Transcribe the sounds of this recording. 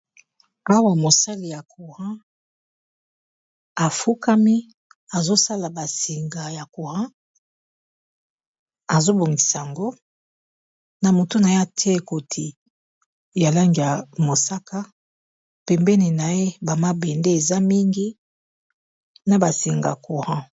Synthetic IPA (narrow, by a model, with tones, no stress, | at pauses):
a˦wa˨mo˨sa˦li˨ja˨kʰu˨ʁã˦ | a˨fu˦ka˦mi˦ | a˨zo˦sa˦la˨ba˨si˨ŋɡa˨ja˨ko˨ʁã˦ | a˨zo˦bo˨ŋɡi˨sa˨ŋɡo˦ | na˨mo˨to˦na˨e˦a˨tʰɛ˦e˨ko˨tʰi˨ | ja˨la˦ŋɡi˨a˨mo˨sa˦ka˦ | pɛ˨mbɛ˦ni˨na˨e˦ba˨ma˦bɛ˨nde˦e˨za˦mi˦ŋɡi˦ | na˨ba˨si˨ŋɡa̰˨ku˨hã˦